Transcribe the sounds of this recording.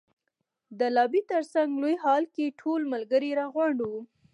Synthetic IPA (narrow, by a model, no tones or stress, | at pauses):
d̪əlɑbit̪əɾsaŋɡlojhɑlkeʈʰolmalɡəɾiɾɑɣwaɳɖu